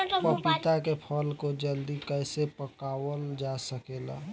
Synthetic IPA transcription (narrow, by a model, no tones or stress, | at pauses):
pəpit̪akepʰəlkod͡ʒəld̪ikəɪsepəkawəld͡ʒasəkela̰